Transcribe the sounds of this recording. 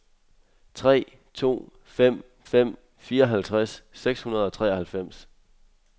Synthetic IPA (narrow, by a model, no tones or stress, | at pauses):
t͡sʰʁɛ̰ː | t͡sʰo̝̰ː | fem̰ | fem̰ | fiːɐɒ̽ɦælt͡sʰʁasːeɡ̥shunɐð̞̩ˠɒ̽t͡sʰʁɛ̰ːɐhælfem̰s